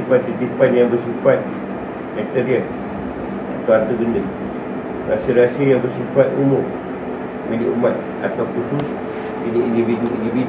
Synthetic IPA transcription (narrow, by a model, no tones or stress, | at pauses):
ipat̪̚tət̪ipanjaŋbərsifat̪̚ | mak̚t̪əɾiə | at̪awart̪əɡəndəl | ra̰səɾasəjaŋbərsifat̪umʊm | miliʔumãt̪̚ | a̰t̪awkusus | iniʔindividuindivid